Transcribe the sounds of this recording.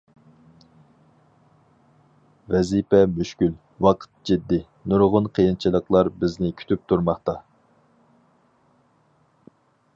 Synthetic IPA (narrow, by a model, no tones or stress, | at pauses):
vɛzipɛmyʃkʲyl | wɑqʰə̥t̪̚d͡ʒid̪ːɪ | nuɾʁʊnqʰəjɨnt͡ʃʰilˠəqlˠɑɾbɪznɪkʲʰy̥t̪ʰyp̚t̪ʰuɾmɑχt̪ɑ